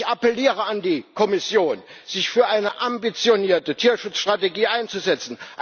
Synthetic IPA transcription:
apɛliːʁəandiːkʰɔmɪsjoːnz̥ɪçfyːɐʔaɪnəʔambit͡sjoniːɐtətʰiːɐʃʊt͡sʃtʁ̥ateɡiːʔaɪnt͡suzɛt͡sn̩ʔ

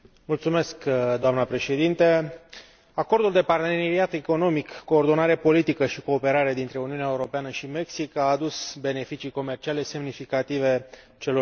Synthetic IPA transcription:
mult̪sume̞skd̪oamnəpɾe̞ʃe̞d̪int̪e | ako̞rd̪uld̪e̞part̪eneɾiat̪eko̞no̞mikːo̞ːrd̪o̞naɾe̞po̞lit̪ikəʃiko̞ːpe̞ɾaɾe̞d̪int̪ɾe̞uniuneaeuɾo̞peanəʃime̞ksikaːd̪usbe̞ne̞fit͡ʃiko̞me̞rt͡ʃiale̞se̞mnifikat̪ive̞ | t͡ʃe̞lo̞

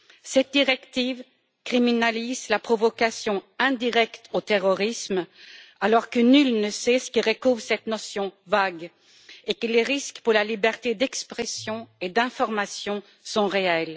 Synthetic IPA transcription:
sɛt̪̚d̪iʁɛkt̪iv | kχiminalizlapχɔvɔkasjɔ̃ɛ̃d̪iʁɛkt̪ot̪eʁɔʁismalɔʁkənylnəsɛsə̥kʲiʁəkuvsɛt̪nɔsjɔ̃vaɡ | ekəleʁiskpuʁlalibɛʁt̪ed̪ɛkspχɛsjɔ̃ed̪ɛ̃fɔʁmasjɔ̃ | sɔ̃ʁeɛl

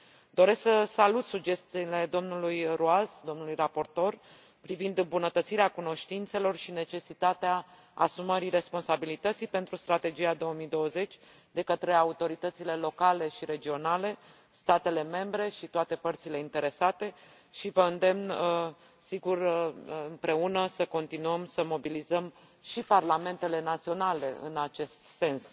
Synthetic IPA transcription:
d̪o̞ɾe̞sksəsalut̪sud͡ʒe̞st̪iːle̞d̪o̞mnulujɾuazd̪o̞mnulujrapo̞rt̪o̞r | pɾivind̪ɨmbunət̪ət̪siɾeakuno̞ʃt̪int̪se̞lo̞rʃine̞t͡ʃe̞sit̪at̪ea | asuməɾiɾe̞spo̞nsabilit̪ət̪sijpe̞nt̪ɾust̪ɾat̪e̞d͡ʒiad̪o̞omijd̪o̞wəze̞t͡ʃʲ | d̪e̞kət̪ɾe̞aut̪o̞ɾit̪ət̪sile̞lo̞kale̞ʃiɾe̞d͡ʒio̞nale̞ | st̪at̪e̞le̞me̞mbɾe̞ʃit̪oat̪e̞pərt̪sile̞int̪e̞ɾe̞sat̪e̞ | ʃivəɨnd̪e̞mnə | siɡurɨmpɾe̞unəsəko̞nt̪inuəmsəmo̞bilizəm | ʃiparlame̞nt̪e̞le̞nat̪sio̞nale̞̰ɨ̰nat͡ʃe̞st̪se̞ns

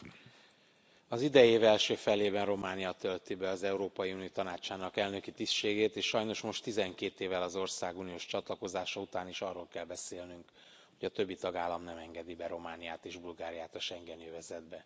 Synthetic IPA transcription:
ɒzid̪ɛjeːvɛlʃøːfɛleːbɛnro̞maːnijɒt̪ølt̪ibɛɒzɛuɾoːpɒjiunijot̪ɒnaːt͡ʃaːnɒkɛlnø̞kit̪isʃeːɡeːt̪eːʃʃɒjno̞ʃmo̞ʃt̪ːizɛŋkeːt̪eːvɛlɒzo̞rsaːɡunijoːʃt͡ʃɒt̪lɒko̞zaːʃɒut̪aːniʃɒrːoːlkɛlbɛseːlnyŋk | ho̞ɟɒt̪ø̞bːit̪ɒɡaːlːɒmnɛmɛŋɡɛd̪ibɛɾo̞maːnijaːt̪eːʒbulɡaːɾijaːt̪ɒʃɛŋɡɛnjøvɛzɛd̪bɛ

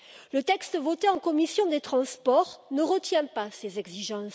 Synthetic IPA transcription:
lət̪ɛkst̪əvɔt̪eɑ̃kɔmisjɔ̃d̪et̪χɑ̃spɔʁnəʁət̪jɛ̃pasezɛɡziʒɑ̃s

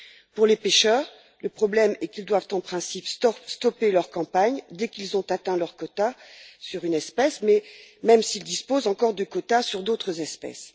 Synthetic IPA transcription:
puʁlepeʃœːʁ | ləpχɔblɛmɛkild̪wavt̪ɑ̃pχɛ̃sipst̪ɔst̪ɔpelœʁkɑ̃paɲd̪ɛkilzɔ̃t̪at̪ɛ̃lœʁkɔt̪asyʁynɛspɛsmɛmɛmsild̪ispozɑ̃kɔʁd̪əkɔt̪asyʁd̪ot̪χəzɛspɛ̰s

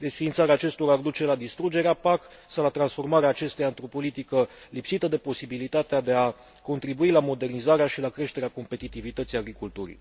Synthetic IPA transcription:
d̪e̞sfiːnsaɾeaːt͡ʃe̞st̪o̞ɾaːrd̪ut͡ʃe̞lad̪ist̪ɾud͡ʒe̞ɾeapak | sawlat̪ɾansfo̞rmaɾeaːt͡ʃe̞st̪ejaɨnt̪ɾopo̞lit̪ikəlipsit̪əd̪e̞po̞sibilit̪at̪ead̪e̞a | ko̞nt̪ɾibuilamo̞d̪e̞rnizaɾeaʃilakɾe̞ʃt̪e̞ɾeako̞mpe̞t̪it̪ivit̪ət̪sijaɡɾikult̪uɾḭ

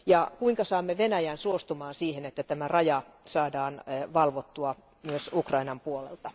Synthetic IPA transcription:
jɑkuiŋkɑsɑːmːeʋenæjænsuost̪umɑːnsiːhenet̪ːæt̪æmærɑjɑsɑːdɑːnʋɑlʋot̪ːuɑ | myøsukrɑinɑmpuolḛlt̪ɑ

